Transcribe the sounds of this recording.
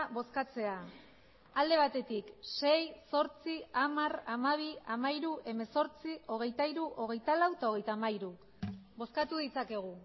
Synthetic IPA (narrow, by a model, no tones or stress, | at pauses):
βo̞skat͡se̞a | ald̪e̞β̞at̪e̞t̪ikse̞jso̞ɾt͡siamaramaβ̞iamaiɾuʔe̞me̞so̞ɾt͡sio̞ɣ̞e̞jt̪aiɾuʔo̞ɣ̞e̞jt̪alawt̪aoɣe̞jt̪aːmaiɾu | βo̞skat̪uðit͡sake̞ɣ̞u